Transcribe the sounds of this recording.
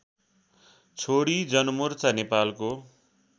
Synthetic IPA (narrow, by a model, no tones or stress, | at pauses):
t͡sʰoɽid͡zʌnʌmurt͡sanepalko